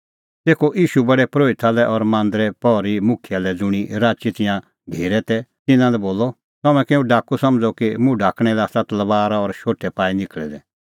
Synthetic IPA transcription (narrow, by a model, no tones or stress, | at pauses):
t̪eːkʰoʔiːʃubɐɽɛpɾoːɪt̪alɛʔɔɾmãːnd̪ɾɛpɔɾimʊkʰijalɛd͡zʊɽ̃iɾaːt͡ʃit̪ɪjã | ɡʱeːɾɛt̪ɛt̪ɪnãlɛboːlɔ | t̪ɐmɛ̃kɛːũɖaːkusɐ̃md͡zɔkimũɖʱaːkɽ̃ɛlasɐt̪lɐbaːɾaɔɾʃoːʈʰːɛpaːinɪkɭɛ̰d̪ɛ